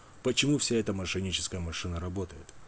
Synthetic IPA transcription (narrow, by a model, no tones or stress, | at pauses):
pət͡ɕɪmufsʲaɛt̪əmɐʂɨnʲit͡ɕɪ̥skəjəmɐʂɨnəɾɐbo̞t̪əjɪ̰t̪